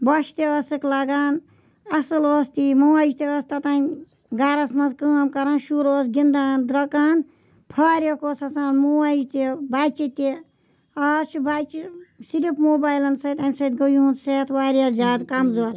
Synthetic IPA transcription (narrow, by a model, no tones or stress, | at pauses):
bɐʃt̪iəːsɨklɐɡaːn | ɐsɨloːst̪iːmoːad͡ʒt̪iəːst̪ɐt̪aːnʲ | ɡaɾɐsmɐnzkəːmkɐɾãːnʃuɾoːsɡʲind̪aːnd̪ɾɐkaːn | pʰaːɾʲjɐkoːsɐsaːnmoːad͡ʒt̪ibaːt͡ʃit̪i | ɐːst͡ʃʰubaːt͡ʃisiɾipmoːbaːjlɐnsɐːt̪emsɐt̪̚ɡɐjuunseːt̪ʰwaːɾjaːzʲjaːd̪kɐmzoːɾ